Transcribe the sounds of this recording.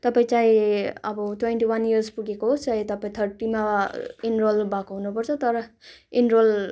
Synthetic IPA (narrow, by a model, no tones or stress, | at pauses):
t̪ʌpaĩt͡sãĩʌbʌʈwenʈiwaniʌrspuɡekoɦot͡sãĩt̪ʌpaĩt̪ʰʌrʈimainrolbakoɦunupʌrt͡sʰʌt̪ʌɾʌinrol